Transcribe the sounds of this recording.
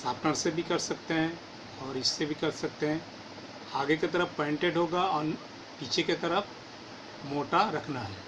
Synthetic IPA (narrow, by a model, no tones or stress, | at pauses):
saːpʈəɽ̃sebʱikɐɾsɐkt̪eɦɛ̃ | ɔːɾɪsːebʱikɐɾsɐk̚t̪eɦɛ̃ː | aːɡeket̪ɐɾəfpẽːɳʈeɖɦoːɡaɔːɾ | piːt͡ʃʰeket̪ɐɾəfʰ | moːʈaɾɐkʰnaɦɛː